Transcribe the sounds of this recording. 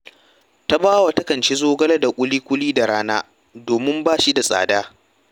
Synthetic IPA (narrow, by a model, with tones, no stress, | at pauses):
ta˦baː˦wa˨tɐ˦kɐ˨nt͡ʃe˦zoː˦ɡɐ˦lɐ˦da˨kʷʼʊ˦liː˦kʷʊ˦liː˦da˨ɽaː˦naː˦ | doː˨mɪ˦mbaː˦ʃi˦da˨sʼa̰ː˨daː˦